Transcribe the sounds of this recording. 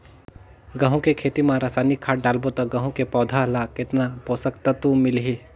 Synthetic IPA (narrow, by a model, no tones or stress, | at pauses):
ɡɐ̃ɦõkekʰeːt̪imãɾaːsaːnikʰːaːʈ̚ɖaːlbot̪ɐɡɐ̃ɦõkepɔːd̪ʱalakɪt̪napoːsəkt̪at̪umɪlɦi